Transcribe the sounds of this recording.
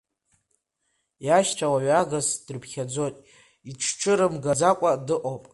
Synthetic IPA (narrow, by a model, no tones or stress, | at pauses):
jaʃt͡ʃʷʰawaɥaɣazd̥ɨrpʰχʲad͡zotʼ | iʈ͡ʂʰʈ͡ʂʰɨɾɨmɡad͡zakʷʼadɨʔowpʼ